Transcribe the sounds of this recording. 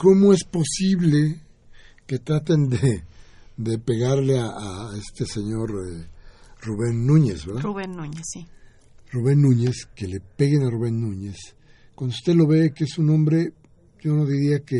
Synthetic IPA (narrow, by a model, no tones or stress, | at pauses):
ko̞mo̞e̞spo̞siβle̞ | ke̞t̪ɾat̪̬e̞nd̪e | d̪e̞pe̞ɣaɾleaae̞st̪e̞se̞ɲo̞ɾ | ruβe̞nːũɲe̞zβeɾðauβenuɲsi | ruβe̞nːũɲe̞skele̞pe̞ɣenaruβe̞nːũɲe̞s | kwand̪oust̪eðlo̞βe̞keesunõmbɾe̞ | ʝo̞no̞ðiɾiake